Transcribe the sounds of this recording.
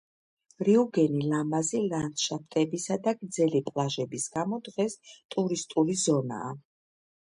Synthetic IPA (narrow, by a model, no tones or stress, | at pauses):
ɾiuɡɛnilamaziland̪̥ʃap̚ʰt̪ʼɛbisad̪aɡd̪zɛlipʼlˠaʒɛbisɡ̥amɔd̪ʁɛst̪ʼuɾist̪ʼulizɔna̰ː